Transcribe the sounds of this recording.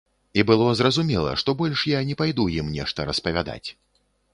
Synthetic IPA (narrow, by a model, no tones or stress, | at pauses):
ibɨlˠɔzrɐzumʲɛlˠɐ̰ʂt̪ɔbɔlʲʂjanʲɛpajd̪ujimnʲɛ̰ʂt̪ɐɾɐspɐvʲad̪a̰t͡sʲ